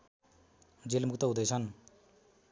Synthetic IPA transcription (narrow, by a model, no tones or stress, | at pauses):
d͡zelmukt̪ʌɦũd̪ʌjt͡sʰʌn